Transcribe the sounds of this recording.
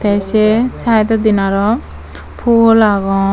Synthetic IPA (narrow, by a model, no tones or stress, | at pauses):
t̪ajset͡sʰajd̪ɔd̪inaɾɔ | pʰulaɡɔ